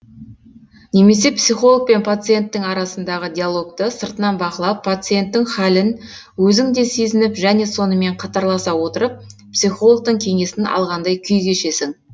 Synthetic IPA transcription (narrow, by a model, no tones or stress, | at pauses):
ne̞me̞s̬e̞psijχo̞lˠək̚pe̞npʰat̪sɨje̞nt̪ːɪŋɑɾɑsənd̪ɑʁəd̪ʲijalˠo̞kt̪əsəɾt̪ənɑnbɑqəlˠɑpʰːat̪sɨje̞nt̪ːɪŋχælɪn | wɵzɪŋd̪e̞se̞zɪnɪpʒæne̞so̞nəme̞ɴqʰɑt̪ɑɾlˠɑsɑwo̞t̪əɾəp̚psijχo̞lˠok̚t̪əɴkʲʰe̞ŋe̞sɪnɑ̰lˠʁɑnd̪ɑjkʲʰʏjɡ̪ʲe̞ʃe̞sɪŋ